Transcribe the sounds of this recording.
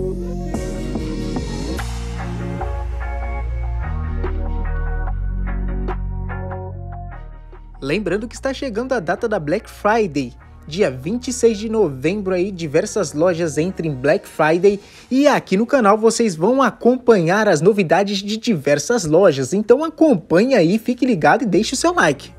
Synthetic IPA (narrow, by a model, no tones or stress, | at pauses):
lẽmbɾɐ̃nd̪ʊkɪist̪aʃeɡɐ̃nd̪ʊad̪at̪ɐd̪ɐblɛkfɾajd̪ej | d͡ʒiɐvĩnt͡ʃisejzd͡ʒɪnovẽmbɾʊaid͡ʒivɛɾsɐzlɔʒɐzẽnt̪ɾẽj̃blɛkfɾajd̪ej | ɪakinʊkanawvosezvɐ̃w̃akõpɐ̃ɲaɾɐznovid̪ad͡ʒɪzd͡ʒɪd͡ʒivɛɾsɐzlɔʒɐzẽnt̪ɐ̃w̃akõpɐ̃ɲaifikɪliɡad̪ʊɪd̪ejʃɪʊsewlajkɪ̥